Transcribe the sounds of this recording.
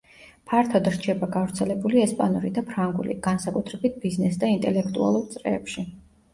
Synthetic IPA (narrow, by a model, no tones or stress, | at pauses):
pʰaɾt̪ʰɔd̪ɾt͡ʃʰɛbaɡavɾt̪sʰɛlɛbuliɛspʼanuɾid̪apʰɾaŋɡṵlḭɡ̥ansakʼut̪ʰɾɛbit̪̚ʰbiznɛsd̪aint̪ʼɛlɛkʰt̪ʼua̰lˠuɾt̪sʼɾɛ̰ːpʃi